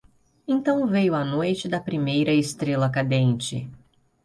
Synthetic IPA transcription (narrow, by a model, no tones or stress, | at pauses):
ẽt̪ɐ̃w̃vejʊɐnojt͡ʃɪd̪ɐpɾimejɾɐɪst̪ɾelɐkad̪ẽnt͡ʃɪ̰